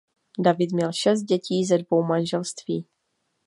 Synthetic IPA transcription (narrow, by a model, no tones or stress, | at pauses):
davɪt̪mɲɛlʃɛs̬t̪̚ɟɛciːzɛdvo̞wmanʒɛlst̪viː